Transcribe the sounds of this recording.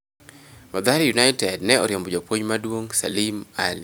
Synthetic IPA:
mad̪aɾjunaɪtɛdnɛɔɾjombɔd͡ʒopwoɲmadwoŋsa̰limali

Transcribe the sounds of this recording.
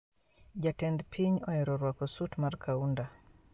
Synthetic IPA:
d͡ʒatɛndpʰiɲɔɛɾɔɾwakɔsutmarkʰaunda

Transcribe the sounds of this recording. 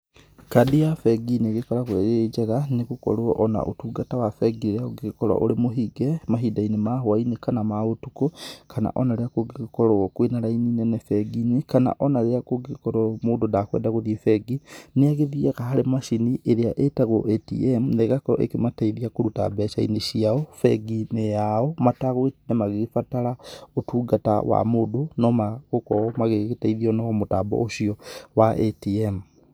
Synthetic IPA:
kadijafɛɡineɣekɔɾaɣweɣed͡ʒɛɣaneɣukɔ̰ɾoʔɔna̰ʔo̰tuːɡatawafɛɡieɾeaoɡekɔɾa̰ʔo̰ɾemoɦiɡɛmaɦidainemaɦoainekanamaotukokʰana̰ʔɔnaɾeakoɡekɔɾɔkwenaɾaininɛnɛfɛɡinekana̰ʔɔnaɾeakoɡekɔɾɔmoːdodakwɛ̰ːndaɣoðiefɛɡineaɣeðiekahaɾemaʃiniʔeɾeaʔetaɣoʔetḭemneɣakɔʔḛkemataiðiakoɾutabɛʃaḭneʃiaɔfɛ̰ɡinejaɔmataɣwenemaɣefataɾaotuːɡata̰wa̰modonɔmaɣokɔɔmaɣeɣetaiðiɔnɔɔmotaːbɔ̰oʃiɔwaʔetiem

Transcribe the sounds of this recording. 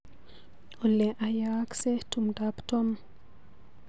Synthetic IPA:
ɔlɛʔajaksɛtumdaptɔm

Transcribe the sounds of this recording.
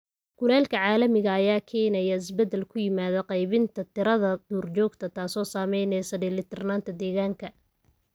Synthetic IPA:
ɡ̥ʊlɛːlkʰɐʕɑːlɐmɪɣɐːjaːkʰɛːnɛjɐɪsbɛd̪ːɛlkʰʊjɪmaːðɐqɑjβɪnt̪ʰɐt̪ʰɪɾɐðɐd̪uːrt͡ʃɔːɡt̪ʰɐt̪ʰaːsɔːsaːmɛjnɛsɐɖɛlɪt̪ʰɛrnaːnt̪ʰɐd̪ɛːɣaːŋkʰɐ

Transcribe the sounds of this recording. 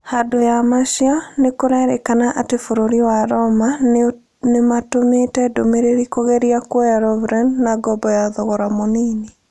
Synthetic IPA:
hadojamaʃianekoɾɛɾekanaʔatefoɾoɾiwaɾɔma | nematometɛdomeɾeɾikoɣɛɾiakwɔjaɾɔvɾɛnnaɡɔbɔjaðɔɣɔɾamoniːne

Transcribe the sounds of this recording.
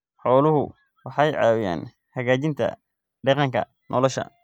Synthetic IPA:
ħɔːlʊɦʊ̰ | wɑħɑjʕɑ̰wja̰ːn | hɐɣaːt͡ʃɪnt̪ʰɐ̰ | ɖɑqɑŋkʰɐ̰ | nʔɔlɔʃɐ̰

